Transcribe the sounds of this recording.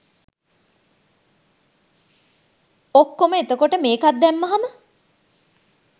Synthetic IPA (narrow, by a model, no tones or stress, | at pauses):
okːoməet̪əkoʈəmeːkat̪̚d̪ɛmːaɦamə